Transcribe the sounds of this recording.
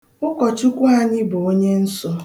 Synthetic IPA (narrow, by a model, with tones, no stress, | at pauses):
ʊ˦kɔ˨t͡ʃʊ˦kʷu˦a˦ɲɪ˦bo˨o˦ɲe˦n̩˦sʊ˦